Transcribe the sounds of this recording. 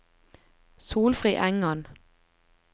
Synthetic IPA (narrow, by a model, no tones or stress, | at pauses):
suːlfʁiːʔæŋən